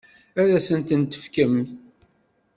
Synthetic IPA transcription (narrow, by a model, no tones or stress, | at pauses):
æɾæsənt̪ənt̪ə̥fkəmt̪